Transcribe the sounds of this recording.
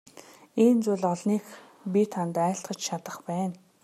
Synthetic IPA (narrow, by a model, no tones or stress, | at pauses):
iːnt͡sʊːɮɔɮniːx | pit̪ʰant̪æːɬt̪χə̆t͡ɕt͡ɕʰat̪ə̆χpæːn